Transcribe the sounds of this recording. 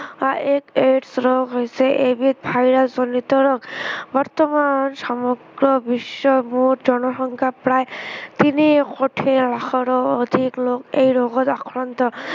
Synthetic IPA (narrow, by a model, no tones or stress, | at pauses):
aʔekeʈsɾɔɡɦojsɛʔebit̪̚bʱajɾaszɔnit̪ɔɾɔkbɔɾt̪ɔmansamɔɡɹɔbisːɔmuɾzɔnɔʃɔŋkʰapɹajt̪inikoʈʰelaxʰɔɾɔod̪ʱiklokejɾɔɡɔt̪akʰɹɔnt̪ɔ